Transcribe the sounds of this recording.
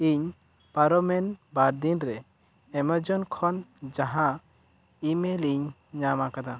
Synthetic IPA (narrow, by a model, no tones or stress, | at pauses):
iɲ | paɾɔmɛnbaɾd̪inɾɛː | məd͡ʒɔnkʰɔnd͡ʒaɦã | imeliɲː | amakad̪a